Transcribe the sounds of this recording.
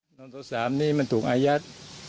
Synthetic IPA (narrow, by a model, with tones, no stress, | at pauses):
nɔː˧ŋt̪ʰa˧˩wsaː˩˦mniː˥˩ma˧nt̪ʰuː˨˩kʔaː˧ja˦˥t̪̚